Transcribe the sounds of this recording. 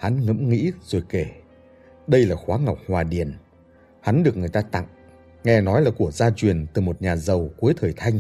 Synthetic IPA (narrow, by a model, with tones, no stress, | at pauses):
ha˨˦nŋə̰˧˥mŋḭ˧˥zo˨˩jke˧˩ | ɗə˧jlaː˨˩xwaː˨˦ŋa˨˩wk͡p̚hwaː˨˩ɗi˨˩ən | ha˨˦nɗɨ˨˩əkŋ˨˩əjt̪aː˧t̪a̰˧˨ŋ | ŋɛ˧nɔ˨˦jlaː˨˩ku˧˩əzaː˧t͡ɕwi˨˩ənt̪ɨ˨˩mo˨˩t̚ɲaː˨˩zə˨˩wku˨˦əjt̪ʰəː˨˩jt̪ʰa˧jŋ̟